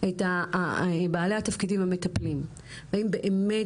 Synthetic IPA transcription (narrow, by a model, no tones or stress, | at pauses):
eta | baːlehat̪afkidimhametaplim | vaimbe̞ʔeme